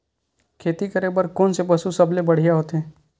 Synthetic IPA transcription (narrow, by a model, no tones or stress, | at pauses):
kʰeːt̪ikɐɾebəɾkoːnsebɐsusɐblebɐɽ̤ijaɦoːt̪eɦɛ̃ː